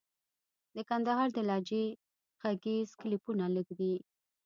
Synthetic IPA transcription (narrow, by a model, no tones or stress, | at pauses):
d̪əkand̪aɦɑɾd̪əlɑd͡ʒe | ɣ̥aɡez̥klipunaləɡd̪i